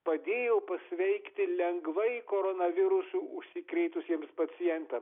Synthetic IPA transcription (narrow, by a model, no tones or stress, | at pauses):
pɐd̪ʲeːjɛːpɐsʲʋʲɛɪkt̪ʲɪlʲɛŋɡʋɐɪkoːɾonɐʋʲɪɾʊsuːʊʃʲsʲɪkɾʲɛɪt̪ʊsʲiɛmspɐt͡s̪ʲɪjɛnʲt̪ɐm